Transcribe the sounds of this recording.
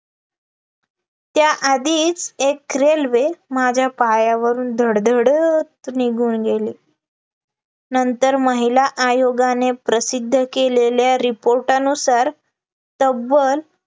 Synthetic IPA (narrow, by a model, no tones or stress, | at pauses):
t̪jaʔad̪iːt͡sekːɾelʋemad͡ʑʱjapajaʋəɾuːnd̪ʱəɽd̪ʱəɽt̪niɡʱuːnɡeliː | nənt̪əɾməɦilaʔajoɡanepɾəsid̪ʱːəkeleljaɾipoɾʈanusaɾ | t̪əbːəl